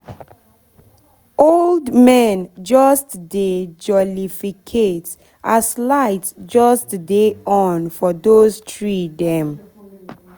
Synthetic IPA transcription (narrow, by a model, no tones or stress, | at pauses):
oldmɛ̃nd͡ʒɔstded͡ʒɔlifikʰet | ʔaslaɪtsd͡ʒɔstdeɔ̃nfɔdoztʰɹidɛ̃m